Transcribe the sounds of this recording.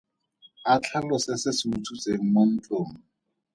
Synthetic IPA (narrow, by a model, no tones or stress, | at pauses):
at͡ɬʰalɔsɪsɪsɪutʰut͡seŋ̩mon̩t͡ɬʼoːŋ̩